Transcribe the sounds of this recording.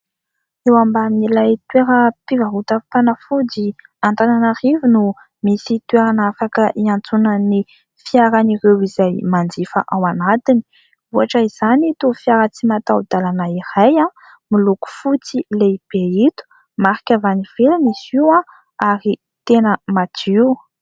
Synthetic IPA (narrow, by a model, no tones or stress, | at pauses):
ewambamilajt̪weɾəpivaɦut̪afanəfudi | ant̪ananaɾivunu | misit̪weɾanafakəʔiant͡sunəni | fiaɾaniɾewizajmand͡zifə̰ʔawanat̪ini̥ | uaʈ͡ʂəiz̥anit̪ufiaɾət͡simat̪awd̪̥alanaiɾajã | miluku̥fut͡sileib̥eit̪u̥ | maɾikʲavaniv̥elinisiwã | aɾi | t̪enəmat̪iu